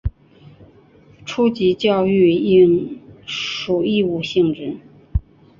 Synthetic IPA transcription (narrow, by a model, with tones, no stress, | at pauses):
ʈ͡ʂʰu˥t͡ɕi˧˥t͡ɕjɑ˥˧ʊy˥˧i˥ŋ | ʂu˨˩i˥˧u˥˩ɕi˥˧ŋʈ͡ʂɻ̩˥˩